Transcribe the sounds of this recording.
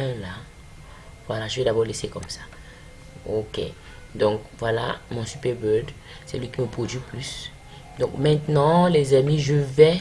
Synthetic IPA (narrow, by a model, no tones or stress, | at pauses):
ɛ̃la | vwalaʒəvɛd̪abɔʁlesekɔmsḁ | okḛ | d̪ɔ̃kvwala̰mɔ̃sypɛbød̪ | sɛlɥikʲiməpχod̪ɥiplys | d̪ɔ̃kmɛ̃t̪nɑ̃lezamiʒəvɛ